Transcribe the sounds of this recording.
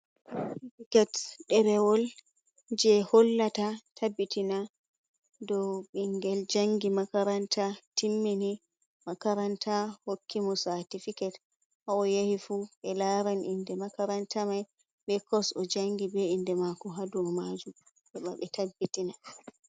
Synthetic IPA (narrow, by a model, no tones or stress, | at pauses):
ifikɛtɗɛɾɛwɔl | d͡ʒɛhɔlːatatʰabːitina | dɔɓiŋɡɛld͡ʒaŋɡimakaɾantʰatʰimːini | makaɾantʰahokʰːimɔsatifikɛt | ʔaɔjahifuɓɛlaɾanʔindɛmakaɾantʰamaj | ɓɛkʰɔsɔd͡ʒaŋɡibɛindɛmakɔɦadumad͡ʒu | ɓɛɓa̰ɓɛtabːitina